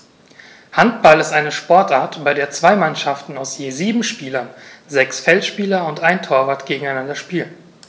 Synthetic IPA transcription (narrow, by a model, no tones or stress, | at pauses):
hantb̥alɪstʔaɪnəʃpɔɐtʔaːɐtb̥aɪdeːɐt͡sv̥aɪmanʃaftn̩aʊsjeːziːbm̩ʃpiːlɐnzɛksfɛltʃpiːlɐʊntʔaɪntʰoːɐvaɐtɡ̥eːɡŋ̩aɪnandɐʃpiːlən